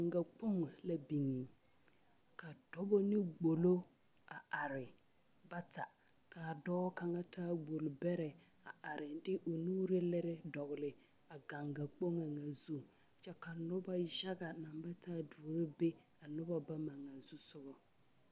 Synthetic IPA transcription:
ŋɡa˨k͡po˦ŋ˨la˦bi˨ŋi˨ | ka˨d̥ɔ˦bɔ˦nɪ˦ɡ͡bo˨lo˦ | a˨a˨ɾɪ˨ | ba˦tʰa˨ | ka˨dɔː˦ka˨ŋa˦tʰaː˦ɡ͡bo˨lbɛ˦ɾɛ˨ | a˨ʔa˨ɾɪ˨dɪ˦ʔo˨nuː˦ɾɪ˦lɪ˦ɾɪ˦dɔ˨ɣʊ˨lɪ˨ | a˨ɡa˨ŋɡa˨k͡po˦ŋa˨ŋa˨zu˦˨ | t͡ʃɛ˦ka˨nʊ˦ba˦ʒa˦ɡa˨na˨mba˦tʰaː˦du˨˦ɾɪ˦be˦ | a˨nʊ˦ba˦ba˦ma˨ŋa˨zu˦sʊ˦ɣɔ˨

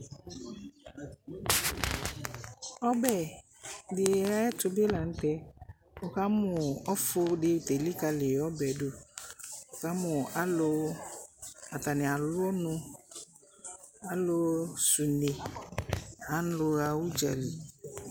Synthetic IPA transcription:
ɔ˦bɛ˨ | lɪ˨e˨a˦ɛ˦tʊ˨be˦la˨ŋ̩˦tɛ˦ | ʊ˨ka˦mʊ˨ɔ˦fʊ˦dɪ˦˨te˨li˦ka˨lɪ˨ɔ˦bɛ˨dʊ˦˨ | o˨ka˦mʊ˨a˦lʊ˦ | a˨ta˨nɪ˨a˨lʊ˦ɔ˦nʊ̃˦ | a˦lʊ˦su˨ne˨ | a˨˦n̩˦lʊ˨ɾa˨wu˦d͡ʒa˨li˨

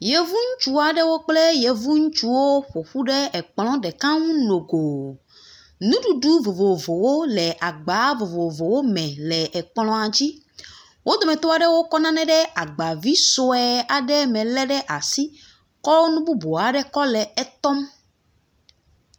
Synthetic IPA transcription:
je˨vu˦ŋũ˦t͡ʃu˦a˨ɖɛ˦wo˦k͡ple˦je˨vu˦ŋũ˦t͡ʃu˦wo˦ɸo˨ɸu˦ɖɛ˦ɛ˨k͡plɔ̃˦ɖɛ˨kã˦ŋũ˦no˨ɡo˨ | nũ˦ɖu˨ɖu˦vo˨vo˨vo˨wo˦lɛ˨ʔa˨ɡ͡ba˨˦vo˨vo˨vo˨wo˦mɛ̃˨lɛ˨ʔɛ˨k͡plɔ̃˨a˨d͡ʑi˦ | wʔo˦d̪ɔ˨mɛ̃˨t̪o˦a˨ɖɛ˦wo˦kɔ˦nã˦nɛ̃˦ɖɛ˦ʔa˨ɡ͡ba˨vi˦so˦ɛ˨˦a˨ɖɛ˦mɛ̃˨lɛ˦ɖɛ˦ʔa˨si˦ | kɔ˦wo˦nũ˦bu˦bo˨a˨ɖɛ˦kɔ˦lɛ˨ɛ˦t̪ɔ˦m

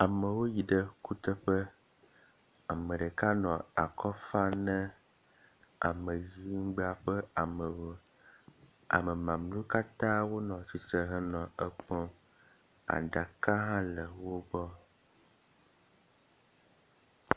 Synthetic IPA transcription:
a˨mə˨wo˦ji˨ɖə˦ku˦t̪ə˦ɸə˦ | a˨mə̃˨ɖə˨ka˦nɔ̃˨a̰˨kʰɔ˦fa˦nə̃˦ | a̰˨mə˨ji˦ŋ̩˦ɡ͡ba˨ɸə˦a˨ | a̰˨mə˨mã˨mlũ˦ka˦t̪ã˦wo˦nɔ̃˨t͡ɕi˨sə˨ɦə˦nɔ̃˨ə˦k͡pɔ̃˦ | a̰˨ɖa˨ka˦ɦã˦lə˨wo˦bɔ˦

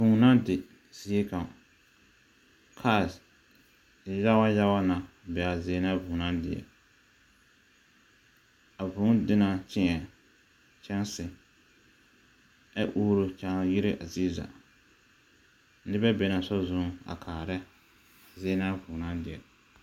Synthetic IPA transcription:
vũː˨nã˦dɪ˨ | z̥i˦e˦kã˨ | kʰaː˦˨˦ | ja˦wa˦ja˦wa˦na˨ | bɛ˨a˨zɪ˦na˦vũː˨nã˦ndɪ˨ɛ̰˨ | a˨vʊ̃˨˦dɪ˦na˨t͡ʃɪ˦ŋɛ˨ | t͡ʃɛ˦nsɪ˨ | ɛ˦ʔuː˦ɾo˨t͡ʃã˦ji˦ɾe˦ʔa˨zi˦za̰˨ | nɪ˦bɛ˦bɛ˨na˨sɔ˦zʊ̃˦a̰˨kʰaː˨ɾɛ˦ | zɪ˦na˦vũː˨nã˦ndɪ˨ɛ̰˨

